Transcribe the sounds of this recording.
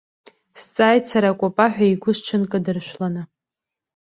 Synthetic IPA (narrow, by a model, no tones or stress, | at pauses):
st͡sʼaːjt͡sʰaɾakʷʼapʼaħᶣaiɡʷʊʃt͡ʃʰɨnkʼɨdɨrʃʷᶣlana